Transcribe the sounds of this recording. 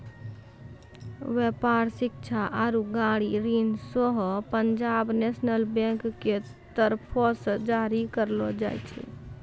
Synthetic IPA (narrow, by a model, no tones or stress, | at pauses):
ʋepaɾsɪk̚t͡ʃʰaʔaɾuɡaɽiɾinsɔɦɔpəɲd͡ʒabnesnəlbẽŋkːe | t̪əɾpʰɔsə̃d͡ʒaɾikəɾlɔd͡ʒa̰jt͡ʃʰɛ̰